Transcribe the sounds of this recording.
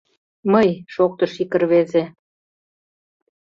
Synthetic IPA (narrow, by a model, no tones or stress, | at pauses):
məjʃok̚t̪ɤʃikərβeze